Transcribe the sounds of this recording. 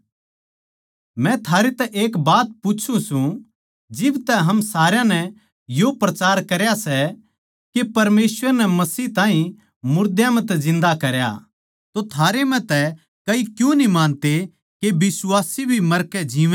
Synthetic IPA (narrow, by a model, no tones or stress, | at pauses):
mɛ̃t̪ʰaːɾet̪ɛʔeːkbaːt̪̚pʊːt͡ʃʰũsũ | d͡ʒɪbt̪ɛɦɐmsaːɾjãnɛ | jopɾɐt͡ʃaːɾkɐɾjasɛ | kepɐɾmeːsʋəɾnɛmɐsiːt̪ãːɦĩ | mʊɾd̪jãmɛ̃t̪̬ɛzɪ̃nd̪akɐɾja̰ | t̪ot̪ʰaːɾemɛ̃t̪ɛ | kɐikjũnimãːnt̪e | kebɪswaːsibʱimɐɾkɛd͡ʒiːʋ